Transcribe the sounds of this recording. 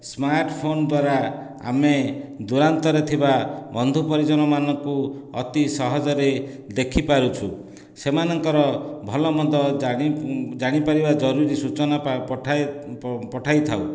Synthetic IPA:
smaɾʈpʰond̪waɾa | a̰med̪uɾant̪ɔɾet̪ʰibabɔnd̪ʱupɔɾid͡ʒɔñɔmanɔŋkuɔt̪isɔɦɔd͡ʒɔɾe | d̪ekʰipaɾut͡ʃʰu | semanɔŋkɔɾɔbʱɔlɔmɔd̪ʱɔ̃ | d͡ʒaɽ̃ipaɾibad͡ʒɔɾuɾisut͡ʃɔnaʈʰa | pɔʈʰajt̪ʰaw

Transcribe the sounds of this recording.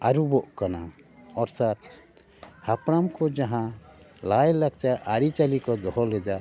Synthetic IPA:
aɾubɔʔkana | ɔɾsat̪̚ | hapɾamkɔd͡ʒaɦã | lajlaɡ̚t͡ʃaʔaɾit͡ʃalikɔd̪ɔɦɔlɛd͡ʒa

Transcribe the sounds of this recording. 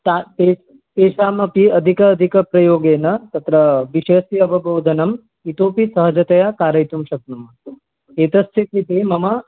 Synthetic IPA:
t̪apeː | p̪eːʃaːmɐpiɐd̪ʱikɐːd̪ʱikɐpɾɐjoːɡeːnɐt̪ɐt̪ɾɐʋiʃɐsiɐbɐboːd̪ʱɐnɐm | it̪oːpisɐɦɐd͡ʒɐt̪ɐjɐkaːɾɐjt̪umʃɐk̚numɐ | eːt̪ɐst̪ʰet̪it̪eːmɐmɐ

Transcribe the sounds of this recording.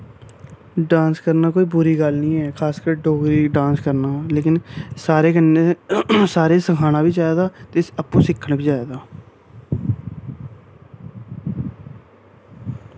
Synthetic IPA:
ɖãːnskəɾnaːkoːiːpuːɾiːɡəlnĩːɛːkʰaːskəɾɖoːɡɾiːɖãːnskəɾnaːleːkɪnsaːɾeːɡənːeːsaːɾeːsəkʰaːñãːbiːd͡ʒaːeːd̪aːt̪eːsəpũːsɪkʰːəɳbiːd͡ʒaːeːd̪aː

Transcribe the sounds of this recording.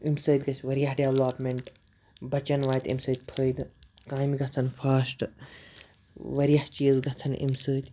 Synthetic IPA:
imsɨːt̪ʲɡɐsʰʲʋɐɾjɐɦɖeʋlaːpmʲeɳʈ | bɐt͡ʃɐnʋaːjt̪ḭmsəːt̪̚ʲpʰəːjd̪ | kaːmɡɐt͡sʰɐnpʰɐːsʈ | ʋɐɾjɐht͡ʃiːzɡɐt͡sʰɐnʔḭmsəːt̪ʲ

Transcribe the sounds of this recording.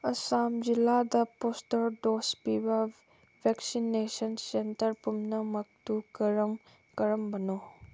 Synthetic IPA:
ɐsamd͡ʒiladɐpostɐɾdospibɐ | bʱeksinesɐnsentɐɾpumnɐmɐk̚tukɐɾɐm | kɐɾɐmbɐno

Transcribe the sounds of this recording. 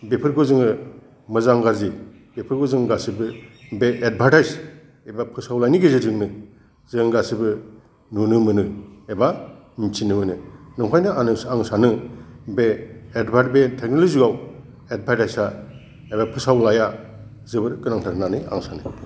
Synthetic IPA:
bepʰɯɾɡozɯŋɯ | mɯzaŋɡaɾzi | bepʰɯɾɡɔzɯŋɡasibɯbeʔed̚bʱaɾtajs | ebapʰɯsawlajniɡezɯdɯŋnɯ | zɯŋɡasibɯ | nunɯmɯnɯeba | mit͡ʃʰinɯmɯnɯnɯŋkʰajnɯanɯsaŋsanɯbeːdbʱat̚betʰek̚noliziɡaw | ed̚bʱaɾtajsa | ebapʰɯsawlaja | zɯbɯɾkɯnaŋtʰaɾnanɯa̰ŋsanɯ

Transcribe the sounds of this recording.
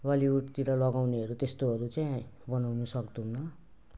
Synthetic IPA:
baliuʈt̪iɾʌlʌɡawneɦʌɾut̪est̪oɦʌɾut͡saĩbʌnawnusʌkd̪unːʌ

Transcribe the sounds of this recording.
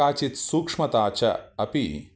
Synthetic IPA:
aːt͡ʃit̪suːkʂmɐt̪aːt͡ʃɐ̰ɐpḭ

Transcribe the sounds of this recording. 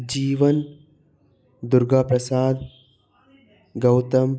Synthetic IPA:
d͡ʒiːʋɐn | d̪uɾɡapɾɐsaːd̪ | ɡɐwt̪ɐm

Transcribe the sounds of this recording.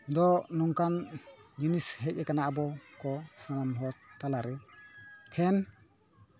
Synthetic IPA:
d̪ɔnɔŋkan | d͡ʒinisɦɛc̚ɛkanabɔkɔsamanɔtt̪alaɾɯ | pʰɛn

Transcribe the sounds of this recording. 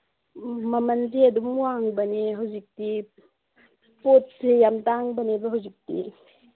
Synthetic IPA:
mɐmɐnt̬iɐdumwaŋbɐniɦawzik̚ti | pot̚sejamtaŋbɐnebɐɦawzik̚tḭ

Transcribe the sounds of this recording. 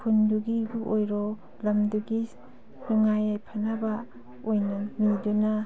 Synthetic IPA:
pʰunduɡibuʔojɾɔ | lɐmduɡi | nuŋajajpʰanaba | ojnamiduna

